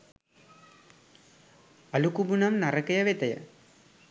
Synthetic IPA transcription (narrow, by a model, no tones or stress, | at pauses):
ɐlukubunɐmnarɐkɐjɐʋet̪ɐjɐ̰